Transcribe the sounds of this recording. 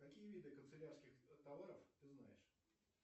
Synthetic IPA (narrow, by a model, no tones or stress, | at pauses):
kɐkʲijəvʲid̪ɨkənt̪sɨlʲarskʲɪxt̪ɐvaɾəft̪ɨzna̰jɪ̰ʂ